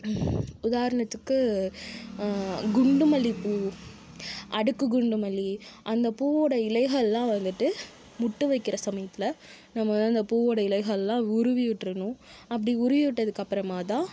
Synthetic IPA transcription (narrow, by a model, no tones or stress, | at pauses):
ʊðaːɾɐɳɐt̪ːɯkːɯ | ɡʊɳɖɯmɐlipːu | ʔɐɽɯkːɯɡʊɳɖɯmɐliʔɐnd̪ɐpuːʋoːɽɐɪlɐɪɣɐɭlãːʋɐnd̪ɯʈːɯ | mʊʈːɯʋɐɪkːɪɾɐsɐmɐjɐt̪ːɪlɐ | nɐmːɐʋɐnɯɐnd̪ɐpuːoːɽɐɪlɐɪɣɐɭlãːʊɾʊʋɪʋɪʈːɾɐnʊ̃ | ɐpːɐɽiʊɾʊʋɪʋɪʈːɐðɯkːɐpːɪɾɐmaːt̪ãː